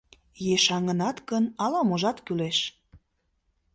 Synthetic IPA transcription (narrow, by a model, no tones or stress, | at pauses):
jeʃɑŋənɑt̪kənɑlɑmoʒɑt̪kyleʃ